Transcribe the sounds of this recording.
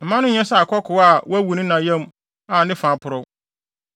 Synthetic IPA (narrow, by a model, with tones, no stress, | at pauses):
m̩˨mã˦nʊ̃˦˨ɲɛ̃˦sa˦˨kʰɔ˦kʰʊ˨˦a˦˨wæ˦wu˨nĩ˦nã˨jɛ̃˦m˦ | a˨nɪ̃˦fã˨pʰʊ˨ɾɔ˦